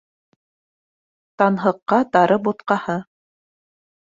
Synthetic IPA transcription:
t̪ɑnɦɤ̆qːɑt̪ɑɾʔɤbut̪qɑhɤ

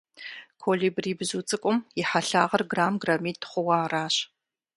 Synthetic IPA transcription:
kʰoɮiːbriːbzuːt͡sʼɨkʷʼʊmjɪħaɬaːʁɐrɡraːmɡramiːtʰχʷʊwaːraːɕ

